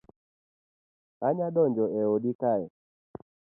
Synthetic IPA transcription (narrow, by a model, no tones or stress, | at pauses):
aɲadɔnd͡ʒɔʔɛodikaɛ